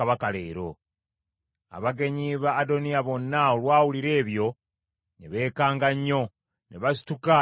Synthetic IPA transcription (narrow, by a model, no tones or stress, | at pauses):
aβakale̞ːɾo̞ | a̰βaɡe̞ɲiβaːdo̞nijaβo̞nːaolwaːwuliɾe̞ːβjo̞ | ne̞βe̞ːkaːŋɡaɲːo̞ | ne̞βasi̥tuka